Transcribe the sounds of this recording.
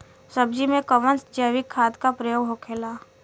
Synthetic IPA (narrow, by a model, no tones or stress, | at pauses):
səbd͡ʒimẽkəʋə̃nsd͡ʒəːʋɪkʰːaːt̪kapɾəjoːɦokʰeːlaː